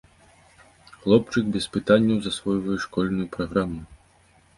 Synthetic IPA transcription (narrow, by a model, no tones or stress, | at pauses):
xlˠɔpt͡ʂɨkbʲɛspɨt̪anʲːɐwzasvɔjvɐjɛʂkɔlʲnujupɾaɣɾamu